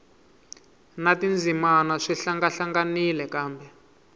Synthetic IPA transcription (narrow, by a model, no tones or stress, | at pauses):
natind͡zʱimanaʂiɬaŋɡaɬaŋɡanilɛkaːmbɛ